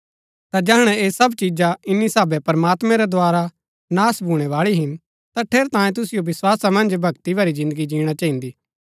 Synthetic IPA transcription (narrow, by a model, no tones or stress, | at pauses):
t̪ad͡ʒɐɦəɽ̃ɛeːsɐbt͡ʃid͡ʒaɪnːisaːbɛpɐɾəmaːt̪mɛ̃ɾɛd̪waːɾa | naːsbʱuːɽ̃ɛʋaːɭiɦɪn | t̪aʈʰeːɾt̪ãːjẽt̪ʊsɪjoʋɪswaːsamɐ̃nd͡ʒbʱɐɡt̪ibʱɐɾizɪ̃nd̪əɡid͡ʒĩːɽ̃at͡ʃaɦĩnd̪iː